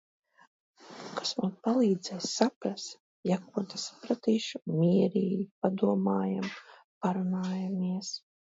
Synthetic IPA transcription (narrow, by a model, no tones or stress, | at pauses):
kḁsmuːnpalˠiːd̪zɛjssapɾas | jakuɔt̪asḁpɾat̪iːʃumʲiɛɾiːjp̚ad̪uɔmaːjam | paɾunaːjamiɛs